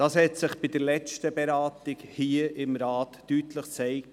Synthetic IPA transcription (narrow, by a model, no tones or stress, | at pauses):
d̥ɑːshɛtsɪχb̥ɪd̥əɾlɛt͡stəbɛɾɑːtɪɡhiːəʔɪmɾɑːtːytləχt͡sɛɪk̚